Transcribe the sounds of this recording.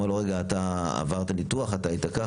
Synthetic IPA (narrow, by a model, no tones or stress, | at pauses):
aloʁeɡaːt̪aa̰vaʁt̪anit̪uaχat̪aːit̪aka